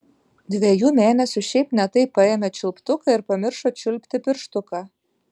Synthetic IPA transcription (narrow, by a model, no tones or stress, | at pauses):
d̪ʲʋʲejuːmʲæːnʲɛsʲuʃʲɛɪpnʲɛt̪ɐɪpːɑemʲɛt͡ʃʲʊlʲpt̪ʊkɑɪɾpɐmʲɪɾʃot͡ʃʲʊlʲpʲt̪ʲɪpʲɪɾʃt̪ʊkɑ